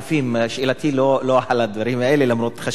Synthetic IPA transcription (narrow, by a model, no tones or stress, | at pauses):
fimʃʔilat̪ʰiːloloħalad̪vaɾiːmaʔeːlelamɾut̪χa